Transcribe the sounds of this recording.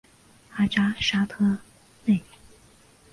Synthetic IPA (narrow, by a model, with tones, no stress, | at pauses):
a˥ʈ͡ʂa˥ʂa˥t̪ʰɤ˥ | ne˥˩ɪ